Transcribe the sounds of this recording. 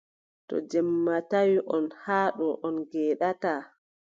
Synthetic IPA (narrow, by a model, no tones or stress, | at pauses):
tɔ̰d͡ʒɛmːatawiʔɔnhaːɗɔʔɔnɡɛːɗataː